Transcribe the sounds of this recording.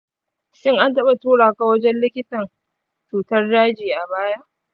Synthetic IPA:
ʃɪ˦ŋʔa˦ntɐ˦ɓa˨tuː˦ɽaː˨ka˨wɐ˦d͡ʒɛ˦nlɪ˦kʲɪ˦tɐ˨n | t͡ʃuː˨tɐ˦rːaː˦d͡ʒiː˨ʔa˨baː˦ja˦ʔ

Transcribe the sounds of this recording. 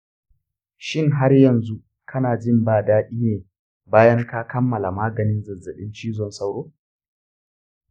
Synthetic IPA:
ʃɪ˦ŋɦa˦rjɐ˨nzu˦ | kʰɐ˦naː˨d͡ʒɪ˦mbaː˦˨daː˦ɗiː˦neː˨ | baː˦jɐ˦ŋkaː˦kɐ˦mːɐ˨la˨maː˦ɡɐ˨nɪ˦nzɐ˨zɐ˨ɗɪ̰˦nt͡ʃiː˦zɔ˨nsa˦wɽoː˦

